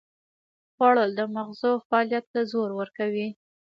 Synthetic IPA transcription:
ɣwɑɭəd̪əmaɣzofaɑljat̪̚ːazoɾwəɾkawi

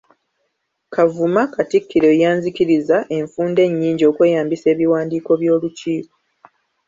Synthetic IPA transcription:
kʰavumakatikːiɾe̞jaːɲzikiɾizaʔe̞ɱfuːnde̞ɲːiːɲɟo̞ːkwe̞ːjaːmbise̞ːβiwaːndiːko̞βjo̞ːluciːko̥

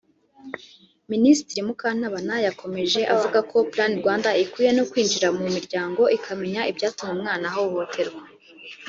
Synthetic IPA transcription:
ministiɾimukaːn̥haβanajakʰo̞me̞ʒe̞ʔavuɡakʰo̞plaːniɾɡwaːndaikuːje̞nokwiːnd͡ʒiɾamumiɾɟaːŋɡo̞ʔikʰame̞ɲaibɟaːtumeumŋaːnahouho̞tʰe̞ɾɡwa

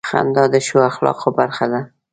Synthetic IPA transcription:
xa̰nd̪ɑd̪əʃoaxlɑ̰qobaɾxad̪a

